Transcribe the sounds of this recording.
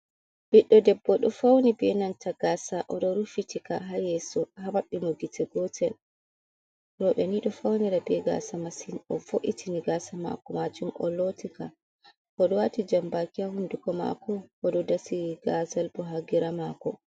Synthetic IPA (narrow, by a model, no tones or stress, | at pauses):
b̥iɗːɔdɛbːɔɗɔfawnibɛnantʰaɡaːsaʔɔɗɔɾufitikaɦajɛsɔhawaɓːimuɡitʰɛɡɔtʰɛl | ɾɔɓɛniɗɔfawnɛɾabɛɡa̰ːsamasinɔfoʔitʰiniɡasama̰kɔmad͡ʒumʔɔ̰lotika | kɔɗɔwatid͡ʒambakiahundukɔma̰kɔɔɗɔdasiɡazalbɔɦaɡiɾamakɔ̰